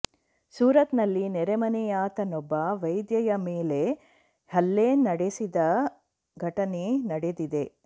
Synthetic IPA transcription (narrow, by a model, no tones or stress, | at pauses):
suːɾɐt̪nɐlːinɛɾemɐnɛjaːt̪ɐnɔbːɐʋɐjd̪jɐjɐmeːle̞ | hɐlːeːnɐɽesid̪ɐ | ɡʱɐʈɐnenɐɽed̪id̪e̞